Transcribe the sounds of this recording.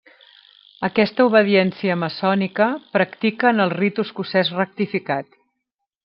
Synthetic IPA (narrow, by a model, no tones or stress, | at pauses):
əkɛst̪əuβəðiɛnsiəməsɔnikəpɾəkt̪ikəːnəlˠrit̪uskusɛzrək̚t̪ifikat̪